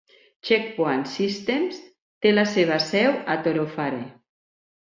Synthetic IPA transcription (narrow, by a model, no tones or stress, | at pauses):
t͡ʃek̚pwansist̪ems | t̪elaseβ̞asɛwat̪oɾofaɾe